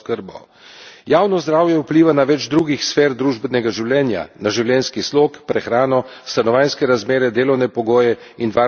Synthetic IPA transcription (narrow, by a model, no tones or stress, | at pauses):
kəɾbɔ̰ | jaːwnɔzd̪ɾaːwjɛwpliːʋanaʋɛd͡ʒd̪ɾuːɡixsfeːɾd̪ɾuːʒbɛnɛɡaʒiwljɛːnja̰naʒiwljɛːnskisloːkpɾɛxɾaːnɔst̪anɔʋaːjnskɛɾazmeːɾɛd̪eːlɔwnɛpɔɡoːjɛ | inʋaː